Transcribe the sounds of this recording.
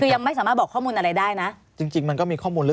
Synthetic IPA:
kʰɯː˧ja˧ŋma˥˩jsaː˩˦maː˥˩t̪̚bɔː˨˩kʰːɔː˥˩muː˧nʔa˧ɾa˧jdaː˥˩jna˦˥ʔ | t͡ɕi˧ŋt͡ɕi˧ŋma˧nkɔː˥˩miː˧kʰɔː˥˩muː˧nlɯ˦˥

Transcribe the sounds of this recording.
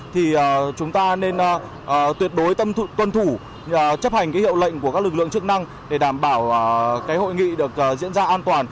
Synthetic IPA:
t̪ʰi˨˩ʔəː˨˩t͡ɕʊ˨˦ŋ͡mt̪aː˧ne˧n˨˩ | ʔt̪wi˨˩ət̚ɗo˨˦jt̪ə˧t̪wə˧nt̪ʰu˧˩˨ | t͡ɕə˦˥p̚ha˨˩jŋ̟kaː˨˦jhḭ˧˨əwlə̰˧˨jŋ̟ku˩ka˦˥lɨ˨˩k̚lɨ̰˧˨əŋt͡ɕɨ˦˥ək̚na˧ŋ | ɗe˧˩ɗaː˧˩mɓaː˧˩wkaː˨˦jho̰˧˨jŋḭ˧˨ɗɨ˨˩ək̚ʔzḭ˧˥ənzaː˧ʔaː˧nt̪waː˨˩n

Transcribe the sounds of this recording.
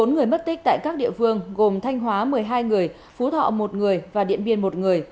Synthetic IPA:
o˨˦nŋɨ˨˩əjmə˦˥t̚t̪ï˦˥k̚t̪a̰ː˧˨jkaː˦˥k̚ɗḭ˧˨əfɨ˧əŋɣo˨˩mt̪ʰa˧jŋ̟ɦwaː˨˦mɨ˨˩əjɦaː˧jŋɨ˨˩əj | fu˨˦t̪ʰɔ̰˧˨mo˨˩t̚ŋɨ˨˩əjvaː˨˩ɗḭ˧˨ənɓḭ˧˩ənmo˨˩t̚ŋɨ˨˩əj

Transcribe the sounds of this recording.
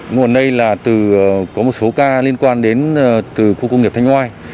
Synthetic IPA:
ŋ˨˩nɗə˧jlaː˨˩t̪ɨ˨˩kɔ˨˦mo˨˩t̚so˨˦kaː˧li˧ənkwaː˧nɗe˨˦nː˧t̪ɨ˨˩xu˧kwŋ͡mŋi˨˩p̚t̪ʰjŋ̟hwaː˧j

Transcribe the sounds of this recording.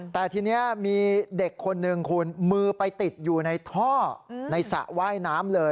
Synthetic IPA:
t̪ɛː˨˩t̪ʰiː˧ni˦˥ɐmiː˧de˨˩kʰːo˧nːɯ˨˧ŋkʰuː˧nmɯː˧pa˧jt̪i˨˩t̪̚juː˨˩na˧jt̪ʰɔː˥˩na˧jsa̰˨˩ʔwaː˥˩jnaː˦˥mlɤː˧

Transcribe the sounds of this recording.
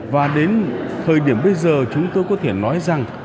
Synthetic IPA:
vaː˨˩ɗe˨˦nt̪ʰəː˨˩jɗi˧˩əmɓə˧jzəː˨˩t͡ɕʊ˨˦ŋ͡mt̪o˧jkɔ˨˦t̪ʰe˧˩nɔ˨˦jza˨˩ŋ

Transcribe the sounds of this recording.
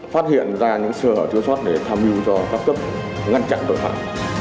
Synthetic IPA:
faː˦˥t̚hḭ˧˨ənzaː˧ɲɨ̰˧˥ŋsəː˧˩həː˨˩t̪i˧əwswaː˦˥t̚ɗe˧˨˩t̪ʰaː˧mʔi˧əwzɔ˧kaː˦˥k̚kp̚ | ŋa˧nt͡ɕa̰˧˨nt̪o̰˧˨jɦa̰ː˧˨j

